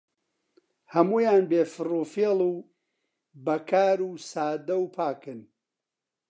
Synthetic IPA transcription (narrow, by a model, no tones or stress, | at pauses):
hɐmuːjaːnbeːfɨruːfelˠuː | bɐkʰaːɾuːsaːd̪ɐwpʰaːkɨn